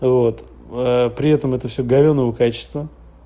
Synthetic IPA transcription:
vot̪ | əpɾʲɪɛt̪əmɛt̪əfsʲɵɡɐvʲonːəvəkat͡ɕɪ̥st̪və

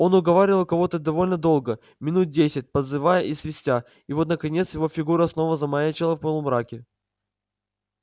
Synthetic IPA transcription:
o̞nʊɡɐvaɾʲɪlˠkɐvo̞t̪əd̪ɐvo̞lʲnəd̪o̞lˠɡə | mʲɪnut̪̚dʲesʲɪt̚ʲpəd̪zɨvajəʔisvʲɪsʲtʲa | ɪvo̞t̪nəkɐnʲe̞t̪sjɪvo̞fʲɪɡuɾəsno̞vəzɐmajat͡ɕɪlˠəfpolˠəmɾakʲɪ

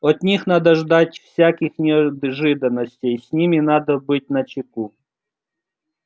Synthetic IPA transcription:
ɐt̪nʲixnad̪əʐd̪atʲfsʲakʲɪxnʲɪɐʐɨd̪ənːəsʲtʲejsʲnʲimʲɪnad̪əbɨt̚ʲnɐt͡ɕɪku

